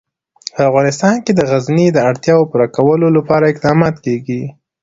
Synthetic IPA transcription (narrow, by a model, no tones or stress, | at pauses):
pəafɣɑnɪst̪ɑnked̪əɣaznid̪əaɽt̪jɑwopuɾakawəlolapɑɾaɪqd̪ɑmɑt̪keɡi